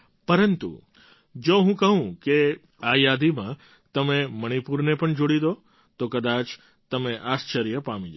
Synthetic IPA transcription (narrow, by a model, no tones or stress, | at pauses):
pəɾənt̪ṵ | d͡ʒoɦũkəɦũke | ajad̪imã | t̪əmeməɽ̃ipuɾnepəɳd͡ʒoɽid̪o | t̪okəd̪at͡ʃ | t̪əmeʔast͡ʃəɾijəpamĩd͡ʒa